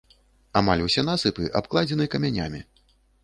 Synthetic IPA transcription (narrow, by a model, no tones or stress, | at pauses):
amalʲwsʲɛn̪asɨpɨʔa̰pklˠad͡zʲɛnɨkɐmʲanʲa̰mʲi